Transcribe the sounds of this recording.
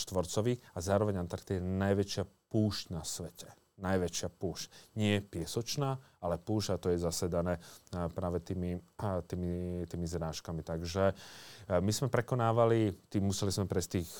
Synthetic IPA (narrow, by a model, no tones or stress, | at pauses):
ʃt̪ʋɔɾt͡sɔʋiːxazaːɾɔʋɛɲant̪aɾt̪ijɛnajʋɛt͡ʃɪapuːʃcnasʋɛcɛ̥ | najʋɛt͡ʃɪapuːʃcɲɪɛpɪɛsɔt͡ʃnaː | alɛpuːʒɟat̪ɔjɛzasɛd̪anɛːpɾaːʋɛt̪iːmit̪iːmit̪iːmizɾaːʃkamit̪aɡʒɛ | mizmɛpɾɛkɔnaːʋalit̪iːmːusɛlizmɛpɾɛst̪iːx